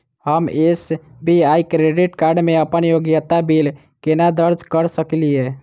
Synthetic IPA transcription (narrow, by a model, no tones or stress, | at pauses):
həmes | biaikɾeɖiʈkaɾɖmeəpənjoɡjət̪abil | kenad̪əɾd͡ʒʱkəɾsəklie